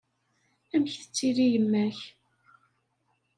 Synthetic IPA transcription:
æmçθə̥t͡sːiɾijəmːæç

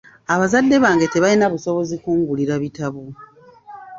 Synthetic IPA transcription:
aβazadːe̞βaːŋɡe̞te̞βalinaβuso̞βo̞zikuːŋɡuliɾaβitaβu

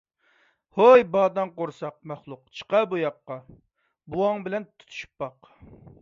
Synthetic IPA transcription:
hojbɑːd̪ɑŋqoɾsɑq̚mæχlˠʊqt͡ʃʰə̥qɑbujɑqːɑ | buɑŋbɪlɛnt̪t̪ʰu̥t̪ʰu̥ʃy̥pːɑq

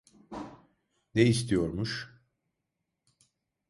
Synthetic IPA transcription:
nejist̪ʰijo̞ɾmuʃ

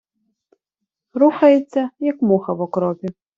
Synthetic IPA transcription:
ɾuxɐjet͡sʲːɐjɐkmɔxɐʋɔkɾɔpʲi

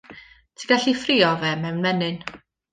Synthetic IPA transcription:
tʰiɡ̥aɬifriːɔvɛmɛwnmɛnɨn

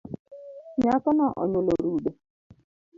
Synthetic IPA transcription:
ɲakɔnaʔɔ̰ɲʊloɾuɖe

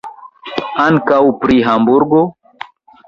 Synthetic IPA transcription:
aŋkawpɾiɦambuɾɡo

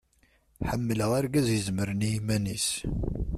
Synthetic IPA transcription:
ħəmːələʁaɾɡæzjəzməɾniimænis

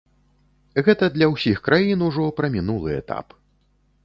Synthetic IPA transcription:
ɣɛt̪ɐd̪lʲɐwsʲixkɾajinuʐɔpɾɐmʲinulˠɨɛ̰t̪a̰p

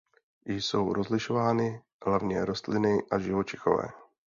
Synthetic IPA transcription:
jɪjso̞wɾozlɪʃovaːnɪ | ɦlavɲɛɾo̞st̪lɪnɪʔaʒɪvot͡ʃɪxo̰vɛ̰ː

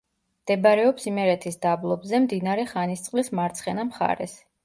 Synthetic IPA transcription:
md̪̥ɛbɾɛɔpsimɛɾɛt̪ʰisd̪ablˠɔbzɛmd̪inaɾɛχanist̪sʼqʼlismaɾt̪sʰχɛnamχa̰ɾɛ̰s

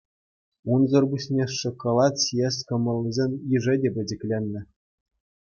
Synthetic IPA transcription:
unzɤ̆rbusʲnʲeʂɤ̆kːŏlˠɑtsjesʲkɤ̆mɤ̆lʲːizʲenʲiʐɘ̆dʲebʲɘ̆d͡ʑɘ̆kʲlʲenʲːɘ̆

